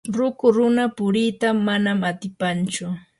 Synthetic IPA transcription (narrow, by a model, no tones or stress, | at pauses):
ɾʊkʊɾʊnapʊɾit̪amanamat̪ɪpant͡ʃʊ